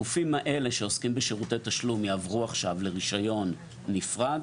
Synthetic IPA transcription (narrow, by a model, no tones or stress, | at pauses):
ufimaʔe̞le̞ʃe̞o̞skimbeʃeʁutejt̪aʃlumjaːvʁuaχʃavle̞ʁiʃajo̞nː | ifʁad